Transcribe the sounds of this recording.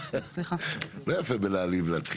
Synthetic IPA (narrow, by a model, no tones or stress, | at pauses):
sliχalojafebelaːlivlat̪χ